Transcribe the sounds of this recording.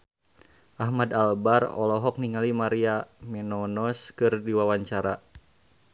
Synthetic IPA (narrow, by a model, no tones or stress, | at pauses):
ʔahmadalbarɔ̰lɔɦɔk̚niŋalimaɾiamɛnɔnɔskɨrdiwawaɲt͡ʃaɾa